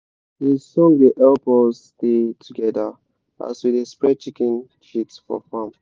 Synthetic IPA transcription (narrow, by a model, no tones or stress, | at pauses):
hisɔ̃ŋdiʔɛlpɔs | tetʰuɡɛdə | ʔa̰swiðespɹɛt͡ʃikɛ̃n | ʃitfɔ̰fãm